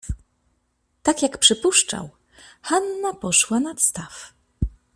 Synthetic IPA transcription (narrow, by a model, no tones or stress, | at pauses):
t̪akjakpʂɘpuʂt͡ʂa̰w | xanːapɔʂwanat̪st̪af